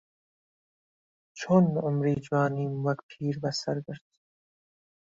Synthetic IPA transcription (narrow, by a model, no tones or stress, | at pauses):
t͡ʃʰunʊmɾiːd͡ʒwɑːniːmmaɡpʰiːɾbasaɾɡəɾd̪̥